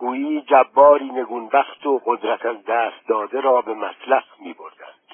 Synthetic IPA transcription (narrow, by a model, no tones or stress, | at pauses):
ɡ̥uːiːd͡ʒæbːɒːɾiːne̞ɡunbæχt̪ʰoʁod̪ɾæt̪ʰæzd̪æːst̪̚d̪ɒːd̪eɾɒːbe̞mæslæhmiːbo̞ɾd̪æ̰nd̪̥